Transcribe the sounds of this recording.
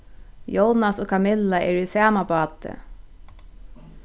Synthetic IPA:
jownasoːkʰamɪlːaɛːɹisæːmapɑːt̪ɪ̰

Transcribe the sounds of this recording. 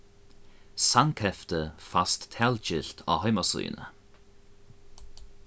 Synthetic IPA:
saŋkʰɛft̪əfast̪ʰːɛld͡ʒɪɬt̪ʰɔ̰ɦœjmasṵːnə̰

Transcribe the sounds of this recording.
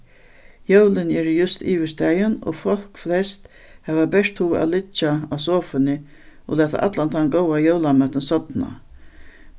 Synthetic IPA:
jowlɪnɛːɾjʊst̪iːʋɪst̪æjʊnɔ̰fɔl̥kflɛst̪ | hɛːvabɛʂt̪huːa̰lɪt͡ʃːaas̬oːfɪnɪ | ɔ̰læːt̪a̰ʔa̰t̪lant̪ʰanɡɔwajowlamœt̪ɪnsɔt̪na̰

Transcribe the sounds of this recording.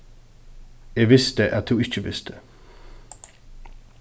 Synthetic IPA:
jæɪʋɪst̪əʔæt̪̚d̪uːɪt͡ʃəʋɪst̪ə

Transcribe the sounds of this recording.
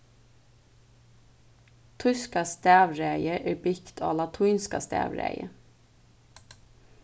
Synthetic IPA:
t̪ʰʉskɑst̪æːʋɹeɪəʔeːbɪkt̪ʰo̰ːlɑt̪ʰʉːnskɑ̰st̪æ̰ːʋɹæ̰ɪə̰

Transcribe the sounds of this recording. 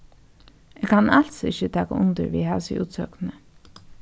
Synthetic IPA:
eːɡkʰanɑlt̪sɪçət̪ʰɑːkaʊnt̪əɾʋḭːɦæːsɪ̰ʔṵːt̪sœ̰ːknə

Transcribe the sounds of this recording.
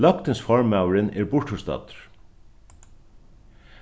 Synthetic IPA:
lɔkt̪ɪnsfɔɹmawɾɪnɛɹbʊɹʈhʊst̪ɑ̰ːt̪ɹ̥

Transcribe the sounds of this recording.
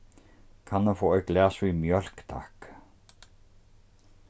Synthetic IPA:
kʰanːafoːɔjɡlɛːsuimjœl̥kt̪ʰa̰k

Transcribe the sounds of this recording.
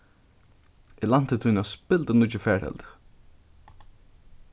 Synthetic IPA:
ilant̪ət̪ʰunaspɪlt̪ənʊt͡ʃɪfɛːɹɛ̰lt̪

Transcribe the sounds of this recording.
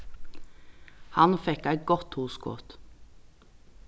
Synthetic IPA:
hɑnfɛkæɪɡɔt̪huːskʰɔ̰ːt̪

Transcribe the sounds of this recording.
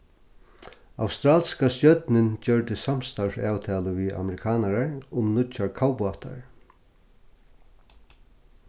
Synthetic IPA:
a̰wst̪ɾaːlskasjœt̪nɪnt͡ɕœɹt̪ɪsam̥st̪awsaːwt̪ʰɛːlʊʋia̰mɛɾɪkʰaːnaɾaɹʊmnʊt͡ʃːaɹkʰaːwpʊat̪ʰa̰ɹ

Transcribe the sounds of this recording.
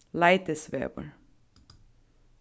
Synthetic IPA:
laɪt̪əsʋḛːbə̰ɹ

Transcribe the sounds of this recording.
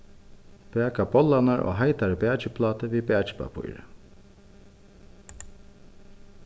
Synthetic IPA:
pɛːkabɔlːanaɾʔo̰ːɦajt̪aɾəbæːt͡ʃɪpʰlɑːt̪əviːbæːt͡ʃɪ̥pa̰pʰṵjɾə̰

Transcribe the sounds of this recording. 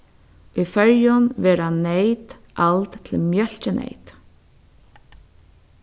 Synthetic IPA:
ifœɹjʊnʋɛːɾanejt̪ | ʔalt̪t̪ʰɪlmjœl̥t͡ʃɪnʔḛjt̪

